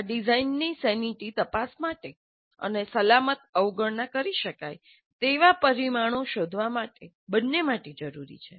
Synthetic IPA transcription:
aɖizainːisɛniʈit̪əpasmaʈe | ə̰nesəlamət̪əwɡəɭnakəɾiʃəkaj | t̪eʋapəɾimaɽ̃oʃod̪ʱʋamaʈe | bənːemaʈed͡ʒəɾuɾḭt͡ʃʰe

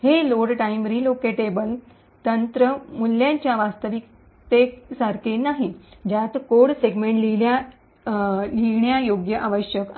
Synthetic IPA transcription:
heloɽʈaimɾilokeʈebəl | t̪ənt̪ɾəmulːjãɲt͡ɕjaʋast̪əʋik | t̪esaɾkʰenaɦid͡ʑat̪koɽseɡmeɳʈlilja | liɳjajoɡjəʔaʋəɕjək

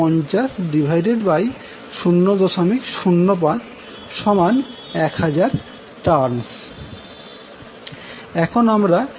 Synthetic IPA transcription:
ɔnt͡ɕasʈɖibʱajɖeɖbaj | ʃunːod̪ɔʃomikʃunːop̬ad̪ | ʃɔmanɛkhad͡ʑaɾ | ʈaɾns | ɛkʰonamɾa

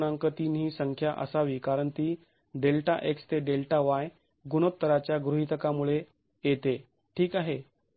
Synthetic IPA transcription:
naŋkət̪inɦiːsəŋkʰjaʔə̰saʋiːkaɾəɳt̪iː | ɖelʈaʔekst̪eɖelʈaʋaj | ɡunot̪ːəɾat͡ɕjaɡɾuɦit̪əkamuɭe | jet̪e | ʈʰiːkaɦe

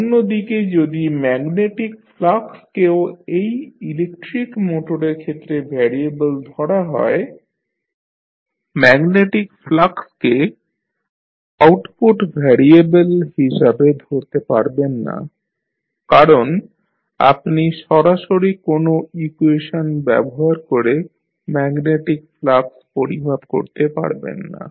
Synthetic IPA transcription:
onːod̪iked͡ʑod̪imɛɡneʈikflakskeoejilekʈɾikmoʈoɾeɾkʰet̪ːɾebʱɛɾiebəld̪ʱɔɽaɦɔ̰e | mɛɡneʈikflakske | awʈpuʈbʱɛɾiebelɦiʃabed̪ʱoɾt̪epaɾbenːa̰ | kaɾon | a̰pniʃɔɾaʃoɾikonoikueʃonbɛ̰boɦaɾkoɾe | mɛɡneʈik̚flakspoɾimat̪ko̰ɾt̪epa̰ɾbḛnːa̰

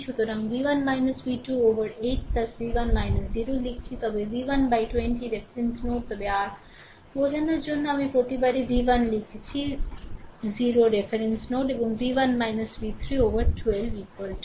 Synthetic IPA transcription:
t͡ʃʰut̪oɾɐŋʋiʋɐnmajnɐsʋiːʈuːoːʋɐɾeːʈ̚pɐsʋiːʋɐnmajnɐsziːɾoːlikʰt͡ʃʰit̪ɐbeʋiːʋɐnbajʈwenʈiɾepʰɐɾensnoːʈ̚t̪ɐbeaːɾ | oːd͡ʒɐnɐd͡ʒonːɐmipoʈ̪ibɐɾiʋiːʋɐnlikʰt͡ʃʰi | ziːɾoɖefʰɐɾensnoːʈebuŋʋiːʋɐnmajnɐsʋiːt̪ʰɾiːoːʋɐɾʈʰwelʋikolʈ

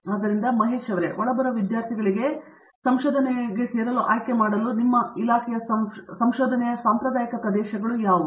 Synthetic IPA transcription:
aːd̪ɐɾind̪ɐmɐɦeːʃɐʋɾeʔɔɭːɐbɐɾɐʋid̪jaːɾt̪ʰiɡɐɭiɡe̞ | sɐmʃoːd̪ʱɐnɛɡe̞seːɾɐluʔa̰ːjkemaːɽɐlunimːɐilaːkʰɛjɐsɐsɐmʃoːd̪ʱɐnɛjɐsaːmpɾɐd̪aːjɐkɐpɾɐd̪ɛːʃɐɡɐɭujaːʋud̪

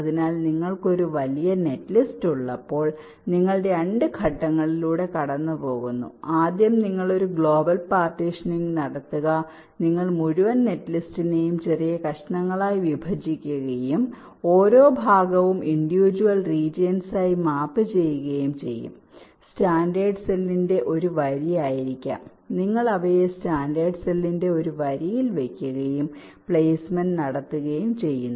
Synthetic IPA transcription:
ɐðinaːlniŋːɐɭko̞ɾuʋɐlijɐne̞tːlistuɭːɐpːo̞ːɭ | niŋːɐɭɨɽe̞ɐɳɖɨkʰɐʈːɐŋːɐɭiluːɽe̞kɐɽɐnːɨpo̞ːɣunːṵaːd̪jɐmniŋːɐɭo̞ɾuɡɭo̞ːbɐlpaːrʈːiʂɐniŋɡnɐɽɐt̪ːuɣɐ | niŋːɐɭmuɻuʋɐnne̞ʈːlistine̞jumt͡ɕerijɐkɐʂɐɳɐŋːɐɭaːjiʋibʱɐd͡ʑikʲːuɣɐjum | o̞ːɾo̞ːbʱaːɡɐʋumiɳɖiʋid͡ʑuʋɐlriːd͡ʑjɐnsaːjimaːpːɨt͡ɕe̞jːuɣɐjumt͡ɕe̞̰jːṵm | staːndeːɖselːinde̞ʔo̞ɾuʋɐɾijaːjiɾikʲːa̰ːm | niŋːɐɭɐʋɐjestaːndeːɖselːinde̞o̞ɾuʋɐɾijilʋe̞kʲːuɣɐjum | pɭeːsmɐnnɐɽɐt̪ːuɣɐjumt͡ɕe̞jːunː

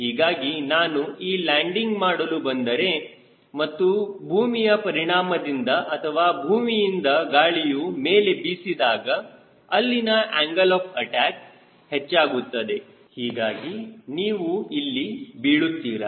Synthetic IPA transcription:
ɦiːɡaːɡinaːnuiːlaːɳɖiŋɡmaːɽɐlubɐnd̪ɐɾe̞ | mɐt̪ːubʱuːmijɐpɐɾiɳaːmɐd̪ind̪ɐʔɐt̪ʰɐʋaːbʱuːmijind̪ɐɡaːɭijumeːle̞bisid̪aːɡɐ | ɐlːinɐʔaːŋɡɐlɔːpʰɐʈaːk | het͡ʃːaːɡut̪ːɐd̪e̞ | hiːɡaːɡiniːʋuilːibiːɭut̪ːiːɾɐ̰

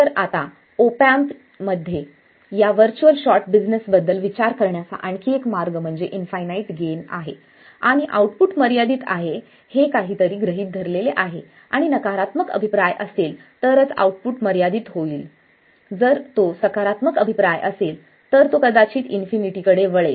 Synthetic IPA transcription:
əɾat̪a | opamt̪ | məd̪ʱːje | jaʋəɾt͡ɕuəlɕɔɾʈbid͡znəsbəd̪ːəlʋit͡ɕaɾkəɾɳjat͡sa̰ʔaɳkiːekmaɾɡm̤əɳd͡zeʔinfajnaiːʈɡena̰ɦe | aɽ̃iʔa̰uʈpuʈməɾjad̪iːt̪a̰ɦe | hekaɦiːt̪əɾiːɡɾəɦiːt̪̚d̪ʱəɾleleʔaɦe | aɽ̃inəkaɾat̪məkə̰bʱipɾajʔəselt̪əɾət͡sa̰uʈ̚puʈməɾjad̪iːt̪ɦoiːl | d͡zəɾt̪osəkaɾat̪məkəbʱipɾajʔəsel | t̪əɾt̪okəd̪at͡ɕiːt̪infiniʈiːkəɽeʋəɭe

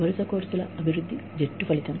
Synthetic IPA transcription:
ʋɐɾusɐkoːɾsulɐɐbʱiɾud̪ʱːid͡ʒeʈːupɐlit̪ɐm

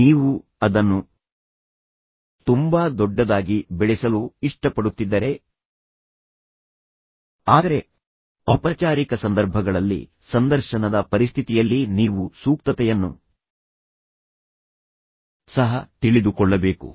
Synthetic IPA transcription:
niːʋuɐd̪ɐnːu | t̪umbaːd̪ɔɖːɐd̪aːɡibɛɭɛsɐluiʂʈɐpɐɽut̪ːid̪ːɐɾe̞ | aːd̪ɐɾe̞ | ɐpɐt͡ʃaːɾikɐsɐnd̪ɐɾbʱɐɡɐɭɐlːḭ | sɐnd̪ɐɾʃɐnɐd̪ɐpɐɾist̪ʰit̪ijɐlːiniːʋusuːkt̪ɐt̪ɛjɐnːṵ | sɐɦɐt̪iɭid̪ukɔɭːɐbe̞ːkṵ

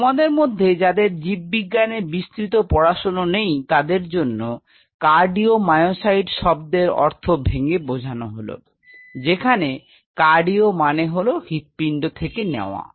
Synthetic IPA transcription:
mad̪eɾmod̪ʱːed͡ʑad̪eɾd͡ʑibːiɡːanebist̪ɾit̪̬opɔɾaʃononejt̪ad̪eɾd͡ʑonːo | kaɾɖiomajosajɖʃɔb̚d̪eɾɔ̰ɾt̪ʰobʱeŋɡebod͡ʑʱanoɦolo̰ | d͡ʑekʰane | kaɾɖiomaneɦolohit̪̚piɳɖot̪ʰekenḛoa̰

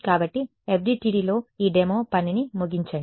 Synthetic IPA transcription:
kaːbɐʈːi | ep̚ʰɖiːʈiːɖiːlo̞ːiːɖemoːpɐninimuɡiɲt͡ʃaːi

